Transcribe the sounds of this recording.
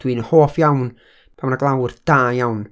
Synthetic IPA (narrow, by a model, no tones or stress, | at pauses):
d̥wiːnəhoːfjawn | pʰamnaɡlˠawrd̥aːjawn